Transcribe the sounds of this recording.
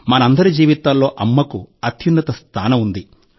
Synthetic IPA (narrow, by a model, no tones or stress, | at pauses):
mɐnɐɐnd̪ɐɾid͡ʒiːʋit̪aːllo̞ːʔɐmːɐkuɐt̪ʰjinːɐt̪ɐst̪ʰaːnɐmund̪i